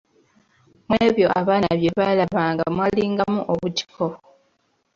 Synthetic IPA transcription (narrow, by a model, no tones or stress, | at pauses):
mweːβjo̞ʔaβaːnaβje̞βalaβaːŋɡamwaliːŋɡamuʔoβuci̥ko̞